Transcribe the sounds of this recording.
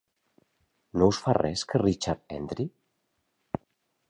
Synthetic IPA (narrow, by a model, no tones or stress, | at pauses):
nowsfarɛskʰərit͡ʃaɾt̪ɛ̰nd̪ɾi